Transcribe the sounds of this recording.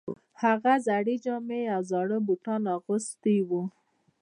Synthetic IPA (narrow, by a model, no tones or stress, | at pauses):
haɣazaɽid͡ʒɑmeawzɑɽəbuʈɑnɑɣost̪iwu